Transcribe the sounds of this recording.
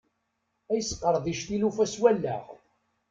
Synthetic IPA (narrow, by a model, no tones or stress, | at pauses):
æjəsːqːəɾˤðˤiʃθilufæswælːæ̰ʁ